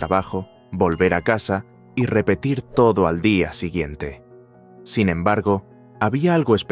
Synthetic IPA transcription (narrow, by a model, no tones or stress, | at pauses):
ɾaβaxo̞ | bo̞lβe̞ɾakasa | ire̞pe̞t̪iɾt̪o̞ðoald̪iasiɣje̞nt̪e̞ | sinẽ̞mbaɾɣo̞ | aβiaalɣoe̞sp